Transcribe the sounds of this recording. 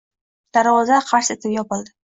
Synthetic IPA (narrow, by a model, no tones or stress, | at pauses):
d̪̥aɾwɒzaqʰaɾset̪ɪpjɒpɨlˠd̪ɪ